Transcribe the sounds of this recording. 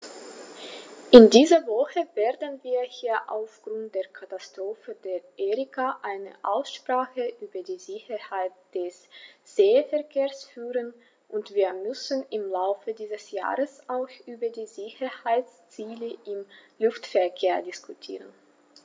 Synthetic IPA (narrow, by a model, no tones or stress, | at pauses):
ʔɪndiːzɐvɔxəveːɐdn̩viːɐhiːɐʔa̰ʊfɡ̥ʁʊnt̚d̥eːɐkʰatastʁ̥oːfəd̥eːɐʔeːʁɪkʰaʔaɪnə̰ʔaʊsʃpʁ̥aːxəʔyːbɐdiːzɪçɐhaɪt̚d̥ɛsz̥eːfɛɐkʰeːɐsfyːʁən | ʔʊntv̥iːɐmʏsn̩ɪmlaʊfədiːzəsja̰ːʁəsʔaʊxʔyːbɐdiːzɪçɐhaɪt͡st͡siːləʔɪmlʊftfɛɐkʰeːɐdɪskʰutʰḭːʁən